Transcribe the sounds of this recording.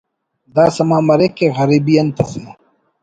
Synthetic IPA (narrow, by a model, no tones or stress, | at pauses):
d̪aːsɐmãːmɐɾekeːɣɐɾiːbijɐnt̪ʰɐse